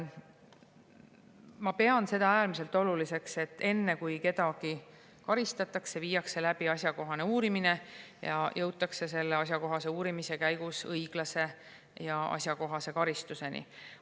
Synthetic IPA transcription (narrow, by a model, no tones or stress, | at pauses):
mɑpe̞ɑnse̞d̪̥ɑæːrmise̞lt̪ːˑo̞lulise̞kse̞t̪ːe̞nːe̞kujke̞d̪ɑɡ̥i | kɑɾist̪ɑt̪ːˑɑkseviːjɑkse̞læb̥iɑsʲjɑko̞ɦɑne̞uːɾimine̞jɑ̰jʔɤwt̪ːˑɑkse̞se̞lːeɑs̬ʲjɑko̞ɦɑse̞uːɾimise̞kæjɡusɤjɡ̥lɑse̞ | jɑɑ̰sʲjɑko̞ɦɑse̞kɑɾist̪use̞nḭ